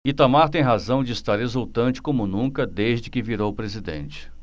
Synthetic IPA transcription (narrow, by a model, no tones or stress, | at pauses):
it̪amaɾt̪ẽj̃ɦazɐ̃w̃d͡ʒɪist̪aɾɦezuwt̪ɐ̃nt͡ʃɪ̥kõmʊnũkɐd̪ezd͡ʒɪkɪviɾowpɾezid̪ḛ̃nt͡ʃɪ̥